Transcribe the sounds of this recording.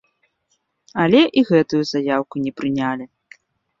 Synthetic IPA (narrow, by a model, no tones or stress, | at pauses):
ɐlʲɛʔiɣɛt̪ujuzajawkunʲɛpɾɨnʲalʲi